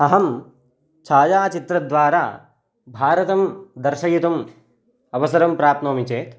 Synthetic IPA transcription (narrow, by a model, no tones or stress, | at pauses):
ɐɦɐm | t͡ʃʰaːjaːt͡ʃit̪ɾɐd̪ʋaːɾa̰ː | bʱaːɾɐt̪ɐmd̪ɐɾʃɐjut̪ɐm | ɐʋɐsɐɾɐmpɾaːt̪noːmit͡ʃeːt̪